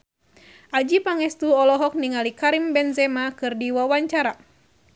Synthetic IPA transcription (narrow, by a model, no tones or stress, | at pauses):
ʔad͡ʒipaŋɛst̪uɔlɔɦɔk̚niŋalikaɾimbɛnzɛmakɨrdiwawaɲt͡ʃaɾa